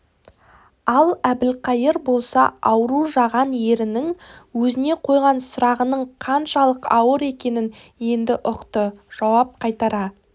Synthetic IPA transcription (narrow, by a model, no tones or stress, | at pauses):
ɑlˠæbɪlqʰɑjəɾbo̞lˠsɑɑwəɾuʒɑʁɑnje̞ɾɪnɪŋwɵzɪne̞qʰo̞jʁɑnsʊɾɑʁənəɴqʰɑnʃɑlˠəqɑwəɾe̞kʲe̞nɪn | je̞nd̪ɪʔʊqt̪əʒ̥ɑwɑp̚qʰɑjt̪ɑɾɑ